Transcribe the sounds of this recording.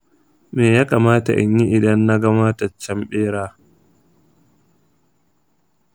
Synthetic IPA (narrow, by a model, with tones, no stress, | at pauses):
meː˨jaː˦kaː˨maː˦ta̰˨ʔɪ̰˨ɲji˦ʔɪ˨dɐ˦nːa˦ɡɐ˦ma˦tɐ˨t͡ʃːɐ˦mɓeː˦ɽaː˦